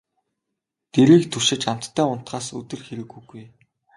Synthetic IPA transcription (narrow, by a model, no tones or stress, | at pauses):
t̪eɾiːk̚t̪ʰɵʃɪ̆t͡ɕam̥t̪ʰːæːʊn̥t̪ɢaːsɵ̰t̪ɘ̆rxeɾɘ̆ɡuɡuj